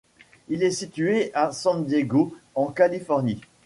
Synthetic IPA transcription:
ilɛsit̪yeʔasɑ̃d̪jeɡoɑ̃kalifɔʁni

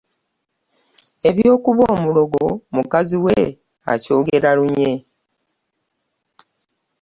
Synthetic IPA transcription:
e̞βjo̞ːkuβoːmulo̞ɡomukaziwe | a̰co̞ːɡe̞ɾaɾuɲe̞

